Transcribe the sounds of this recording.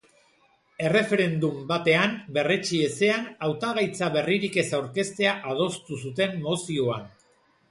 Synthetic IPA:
e̞re̞fe̞ɾe̞nd̪umbat̪e̞ambe̞ret͡ʃie̞se̞anawt̪aɣajt͡saβe̞riɾike̞sawɾke̞st̪e̞aʔað̞o̞st̪usut̪̬e̞mːo̞sio̞an

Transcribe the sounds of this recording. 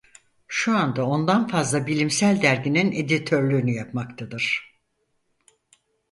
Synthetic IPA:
ʃuand̪ao̞nd̪anfazlˠabilʲimsælʲd̪æɾɟinine̞d̪it̪ʰøɾlʲyynyjapmakt̪ʰad̪ɯɾ̥

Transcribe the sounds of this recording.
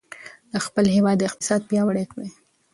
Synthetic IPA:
d̪̥əxpəlɦewɑd̪ːəɪqt̪ɪ̥sɑd̪̚pjɑwaɽekwe

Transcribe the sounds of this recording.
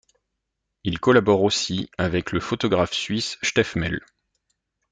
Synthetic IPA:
ilkɔlabɔʁosiavɛkləfot̪ɔɡʁafsɥisʃt̪ɛfmɛl

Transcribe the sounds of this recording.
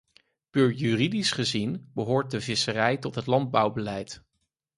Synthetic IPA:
pyːɹjyridisχəzinbəɦʊːɹt̚dəvɪsərɛjtɔtɦətlɑnd̚bʌwbəlɛjt

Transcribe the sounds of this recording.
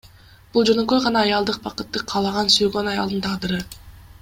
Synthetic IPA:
b̥ulˠd͡ʒø̞nø̞kø̞jʁɑnɑːjɑlˠd̪ɯq̚bɑqɯt̪ːɯqʰɑːlˠɑʁɑnsyjɡønɑjɑ̰lˠd̪ɯnt̪ʰɑʁd̪ɯɾɯ

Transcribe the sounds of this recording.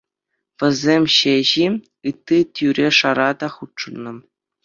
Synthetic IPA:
ʋʲɘ̆zʲemʲɕeʑi | ɯt̪ːitʲyɾʲeʂɑɾɑd̪ɑχutʂɤ̆nːɤ̆

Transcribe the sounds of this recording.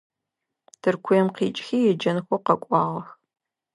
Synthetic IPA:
d̥ɨrkʷʰʊjɛmqiːt͡ʃʼxiːjɛd͡ʒɐnxʷɔqɐkʷʼɑːʁɐx

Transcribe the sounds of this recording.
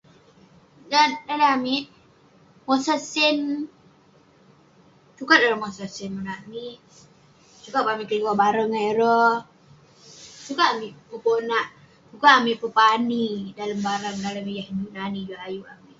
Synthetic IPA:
dandalaamiʔ | mosasɪn | t͡ʃukat̪̚daɾəmosasinmonaamiʔ | t͡ʃukaʔpamikəluwaʔbaɾəŋaɾɔ | t͡ʃukaʔamiʔpəponaʔ | t͡ʃukaʔːmiʔpəpanidalambaɾaŋdalamijahnunanid͡ʒuajuamiʔ

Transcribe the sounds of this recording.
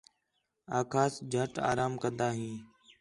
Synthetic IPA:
aːkʰaːsd͡ʒʱəʈa̰ːɾaːmkənd̪aːɦĩː

